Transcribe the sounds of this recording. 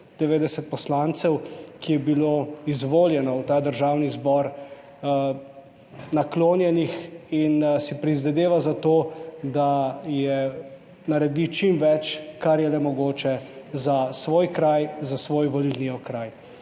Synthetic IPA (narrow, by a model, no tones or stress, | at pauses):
d̪̥ɛʋeːd̪ɛsɛt̪̚pɔslant̪sɛwkijɛbiloizʋoːljɛnɔwt̪aːd̪əɾʒaːwnizbɔɾ | nakloːnjɛnixinsipɾizʋɛd̪eːʋazat̪oːd̪ajɛ | naɾɛd̪it͡ʃimʋɛt͡ʃkaɾjɛlɛmɔɡoːt͡ʃɛzasʋoːjkɾajzasʋoːjʋɔlilniɔkɾaːj